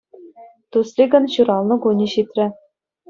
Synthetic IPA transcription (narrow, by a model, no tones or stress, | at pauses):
t̪uslʲiɡɤ̆nɕuɾɑlˠnɤ̆ɡunʲiɕit̪ʲrʲɘ̆